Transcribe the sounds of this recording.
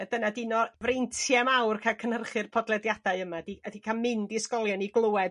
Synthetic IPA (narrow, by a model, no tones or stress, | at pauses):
əd̥ənadɪnɔvrentʰjɛmawrkʰakʰənərχɨrpʰɔdlˠɛdjadaɨəmadiədikʰamɪndiskɔlˠjɔniɡlˠʊɛd